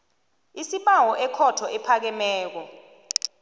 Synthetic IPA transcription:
isiɓawɔʔɛkʰɔtʰɔʔɛpʰak̬ɛmɛːk̬ɔ

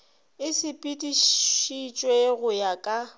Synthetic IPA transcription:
ɪsɪpʼitʼiʃʃit͡ʃʼweɣʊjakʼa

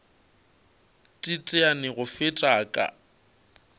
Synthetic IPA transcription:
tʼitʼɪanɪɣʊfɪtʼaːkʼa̰

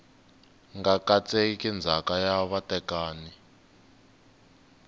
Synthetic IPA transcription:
ŋɡakat͡sʼekind͡zʱakajaβatɛkaːni

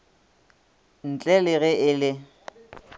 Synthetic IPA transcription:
n̩t͡ɬʼɛlɪɣɛɪlɪ

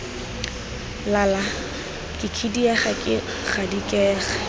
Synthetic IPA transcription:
lala | kʼɪkʰidiɛχakʼɪ | k͡xadikʼɛːɣa

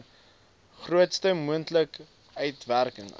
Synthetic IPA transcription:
χruətstəmuəntlək | œɥtværkəŋ

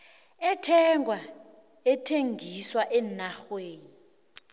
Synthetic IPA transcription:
ɛtʰɛŋʱwa | ɛtʰeŋɡʱiswaʔɛnaxweːni

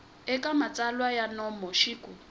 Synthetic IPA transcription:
ɛkʼamat͡sʼalwajanɔmɔʃikʼu

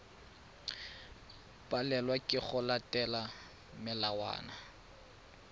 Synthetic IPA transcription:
pʼalɛlwakʼɪχʊlatʼɛla | mɪlawa̰ːna

